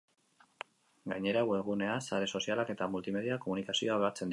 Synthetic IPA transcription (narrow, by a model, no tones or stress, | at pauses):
ɡajɲe̞ɾawe̞lɣune̞asaɾe̞so̞sialake̞t̪amult̪ime̞ðiako̞munikasio̞aβe̞at͡se̞nd̪